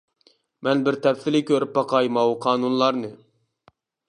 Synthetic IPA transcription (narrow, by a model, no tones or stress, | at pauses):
mɛnbɪɾt̪ʰɛpθɪlɪkʲʰøɾyp̚bɑqʰɑjmɑwuqʰɑːnunlˠɑɾnɨ